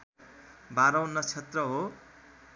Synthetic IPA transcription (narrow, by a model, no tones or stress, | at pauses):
baɾʌwnʌt͡sʰet̪rʌɦo